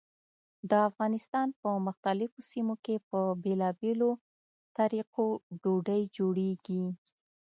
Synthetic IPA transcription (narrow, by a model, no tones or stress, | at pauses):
d̪əafɣɑnɪst̪ɑnpəmʊxt̪alɪfosimokepəbelɑbelo | t̪aɾiqoɖoɖəjd͡ʒoɽeɡi